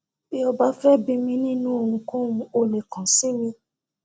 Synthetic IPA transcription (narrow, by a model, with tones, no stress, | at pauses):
bi˦ɔ˧ba˦fɛ˦bi˧mĩ˦nĩ˦nũ˦o˧hũ˧kõ˦ũ˧o˧le˨kã˨sĩ˨˦mĩ˧